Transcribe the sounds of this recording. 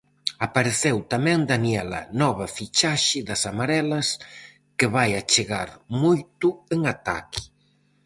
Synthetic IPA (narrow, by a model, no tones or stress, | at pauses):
apaɾeθewt̪amɛ̃ŋd̪aniɛlɐ̰nɔβɐfit͡ʃaʃɪðɐsamaɾɛlɐs | keβajat͡ʃeɣa̰ɾmojt̪ʊeŋat̪a̰ki̥